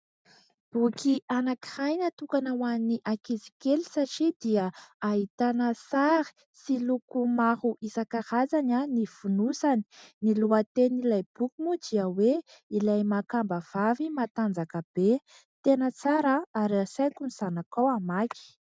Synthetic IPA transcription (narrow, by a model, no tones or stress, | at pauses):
b̥ukiʔanaki̥hajnat̪ukanawanniʔakizikelisaʈ͡ʂid̪iəaɦit̪anəsaɾi̥ | silukumaɦuʔisakaɾazananifunusani̥niluat̪enilajb̥ukimud̪iəweilajmakambəv̥avimat̪and͡zakəb̥e | t̪enət͡saɾəaɾasajkuniz̥anakawamaki̥